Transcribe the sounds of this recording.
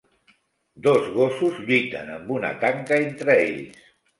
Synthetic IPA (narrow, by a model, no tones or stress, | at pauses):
d̪ozɣosuzʎujt̪ə̰nəmbuna̰t̪aŋkaent̪ɾəḛʎs